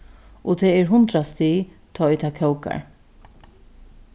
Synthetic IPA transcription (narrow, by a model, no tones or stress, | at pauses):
ʔot̪ʰɛːɛɹɦʊnt̪ɾast̪it̪ʰɔːɪt̪ʰakʰœwka̰ɹ